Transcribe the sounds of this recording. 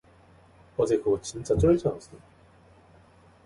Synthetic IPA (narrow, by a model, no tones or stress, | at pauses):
kʌd͡ʑekɯɡʌtt͡ɕint͡ɕ͈at͡ɕ͈ʌɭt͡ɕ͈ʌnas͈ɯ